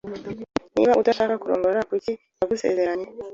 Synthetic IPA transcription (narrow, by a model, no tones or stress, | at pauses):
nḭβaʔutaʃaːkakuɾoːŋɡoɾakuci | naɡuse̞̰ːze̞ɾaɲe